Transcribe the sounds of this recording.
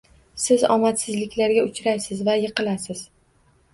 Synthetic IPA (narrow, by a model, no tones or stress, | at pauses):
sɪzɒ̰mat̪sɪzlɪkʲlaɾɡʲaʊt͡ʃɾajsɪzvajɨqɨlasɪz̥